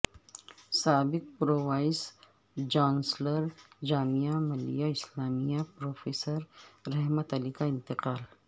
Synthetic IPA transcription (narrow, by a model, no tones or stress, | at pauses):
saːbɪq̚pɾoːwaːɪs | d͡ʒãːnsləɾd͡ʒaːmijamɐlḭjaɪslaːmijapɾoːfeːsəɾːɛɦmət̪ɐlikaɪ̃nt̪ɪqaːl